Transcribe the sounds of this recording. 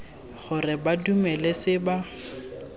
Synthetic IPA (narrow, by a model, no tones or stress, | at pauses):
χʊrɪbadumɛlɛsɪba